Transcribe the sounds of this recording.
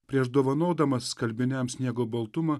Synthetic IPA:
pʲɾʲiɛʒd̪oːʋɐnoːd̪ɐmɐsːkɐlʲbʲɪnʲɛmsʲnʲiɛɡoːbɐlˠt̪ʊmɐ

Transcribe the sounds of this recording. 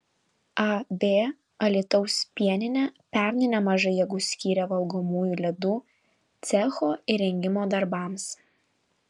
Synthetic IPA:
ɐbʲeː | ɐlʲɪt̪ɔʊsʲpʲiɛnʲɪnʲɛpʲæˑɾʲnʲɪnʲɛmɐʒɐɪjɛɡʊsʲkʲiːɾʲɛʋɐlˠɡomuːjulʲɛd̪uː | t̪sʲɛxoːɪɾʲɛŋʲɡʲɪmoːd̪ɐɾbɑˑms

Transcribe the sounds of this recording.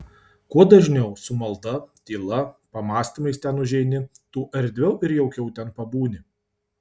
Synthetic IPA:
kuɔd̪ɐʒʲnʲɛʊsʊmɐlˠd̪ɐt̪ʲiːlˠɐpɐmɑːsʲt̪ʲimɐɪst̪ʲɛnʊʒʲɛɪnʲɪ | t̪uːʔɐɾʲd̪ʲʋʲɛʊʔɪɾjɛʊkʲɛʊt̪ʲɛnpɐbuːnʲɪ

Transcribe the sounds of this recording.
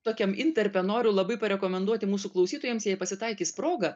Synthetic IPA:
t̪oːkʲɛmɪnʲt̪ʲɛɾʲpʲɛnoːɾʲʊlˠɐbɐɪpɐɾʲɛkoːmʲɛnd̪uɔt̪ʲɪmuːsuklˠɐʊsʲiːt̪oːjɛmsjɛjpɐsʲɪt̪ɐɪkʲiːspɾoːɡɐ

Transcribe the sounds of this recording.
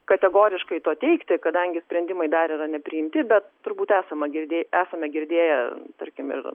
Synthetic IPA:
kɐt̪ʲɛɡoːɾʲɪʃkɐɪt̪oɔt̪ʲɛɪkt̪ʲɪkɐd̪ɐŋʲɡʲɪsʲpʲɾʲɛnʲd̪ʲɪmɐɪd̪ɐɾʲiːɾɐnʲɛpʲɾʲɪɪmʲt̪ʲɪbʲɛt̪tʊɾbuːt̪æːsɐmɐɡʲɪɾʲd̪ʲeːæːsɐmʲɛɡʲɪɾʲd̪ʲeːjɛt̪ɐɾʲkʲɪmɪ̰r

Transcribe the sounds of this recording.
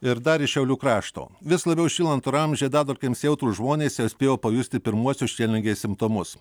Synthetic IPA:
ɪɾd̪ɐɾʲɪʃʲɛʊlʲuːkɾɑːʃt̪o̰ːʋʲɪslˠɐbʲɛʊʃʲiːlˠɐnt̪uɾɐmʲʒʲeːd̪ɑːd̪oːlʲkʲeːmsʲeʊt̪ɾuːʒmoːnʲeːsʲɛʊsʲpʲeːjoːpɐjʊsʲt̪ʲɪpʲɪɾmuɔsʲʊsʃʲiɛlʲnʲɪŋʲɡʲeːssʲɪmpt̪omʊs

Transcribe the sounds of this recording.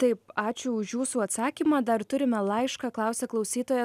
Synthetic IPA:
t̪ɐɪpɑːt͡ʃʲʊʊʃjuːsuːɐt̪sɑːkʲiːmɑːd̪ɐɾt̪ʊɾʲɪmʲɛlˠɐɪʃkɑklˠɑˑʊsʲɛklˠɐʊsʲiːt̪oːjɛ

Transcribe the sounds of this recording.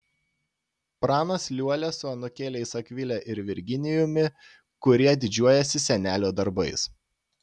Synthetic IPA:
pɾɑːnoslʲuɔlʲɛsʊɐnʊkʲeːlʲɛɪsɐkʲʋʲɪlʲɛʔɪɾʋʲɪɾʲɡʲɪnʲɪjʊmʲɪ | kʊɾʲiɛd̪ʲɪd͡ʒʲuɔjɛsʲɪsʲɛnʲæːlʲoːd̪ɐɾbɐɪs

